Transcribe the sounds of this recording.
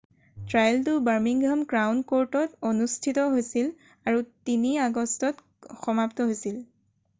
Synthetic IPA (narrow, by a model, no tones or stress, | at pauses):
tɹajltʊbaɹmiŋɡʱamkɹawnkoɹtɔtonustʰitɔɦojsil | aɹutiniaɡɔstɔt | xɔmaptɔɦojsil